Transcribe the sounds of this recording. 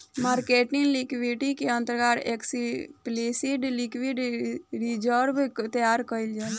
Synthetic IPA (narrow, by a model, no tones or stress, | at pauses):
maːɾkeːʈinlikʋiːʈikeə̃nt̪əɾɡaːɾeksipleːsiːɖlikwiːɖɾid͡ʒəɾbt̪əjaːɾkəild͡ʒaː